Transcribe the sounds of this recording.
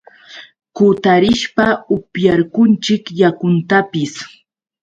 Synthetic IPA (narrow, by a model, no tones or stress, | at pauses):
kʊt̪aɾɪʃpaʊpjaɾkʊnt͡ʃɪkjakʊnt̪apɪs